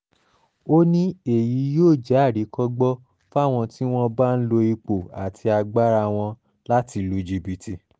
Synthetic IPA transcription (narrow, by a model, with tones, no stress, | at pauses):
o˦nĩ˦e˦˨ji˨˦joː˦˨d͡ʒɛ˨˦˨ɾi˨˦kɔ˦ɡ͡bɔ˦ | fa˦˨w̃ɔ̃˧ti˦w̃ɔ̃˦ba˦n̩˦lo˧i˧k͡po˨a̰˨tʰi˧a˧ɡ͡ba˦ɾa˧w̃ɔ̃˧ | la˦ti˧lu˧d͡ʒi˧bi˨ti˧